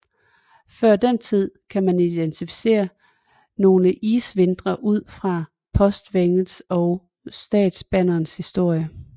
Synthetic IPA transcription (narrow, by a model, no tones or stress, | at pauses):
fɶɐ̰d̥ent͡sʰið̞̰ˠkʰæmænid̥ent͡sʰifi̥se̝̰ːɐ | no̝ːləʔiːsʋe̝nd̥ʁɐʔuð̞̰ˠfʁɑ̈ | pʰɒ̽sd̥ʋeŋð̩ˠsɒ̽ʊ | sd̥ɛ̰ːd̥sb̥ænɐːnshisd̥o̝ɐ̰jə